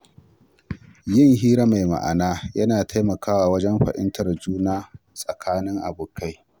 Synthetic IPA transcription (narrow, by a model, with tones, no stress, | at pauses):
jɪ˦˨ŋɦiː˦ɾa˦ma˨jma̰˨ʔa̰˨naː˦jɐ˦naː˨tʰa˦jmɐ˨kaː˦waː˨wɐ˦d͡ʒɛ˦mɸɐ̰˨ʔɪ̰˦ntʰɐ˨rd͡ʒuː˦naː˦ | sʼɐ˨kʰaː˦nɪ˦ŋʔa̰˨buː˨ka˦j